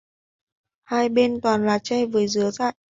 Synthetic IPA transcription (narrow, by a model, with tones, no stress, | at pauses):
haː˧jɓe˧nt̪waː˨˩nlaː˨˩t͡ɕɛ˧vɨː˨˩əzɨ˨˦əza̰ː˧˨jʔ